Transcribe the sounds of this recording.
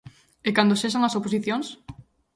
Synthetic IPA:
ɪkand̪oʃes̬aŋɐsoposiθjoŋs

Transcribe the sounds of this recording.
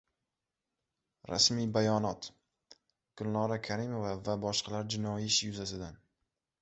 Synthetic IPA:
ɾa̰smibajɒnɒt̪ | ɡ̥ʊlnɒɾakʰaɾɪmovavabɒʃqʰɑlaɾd͡ʒɪnɒjiɪʃjʊzasɪd̪an

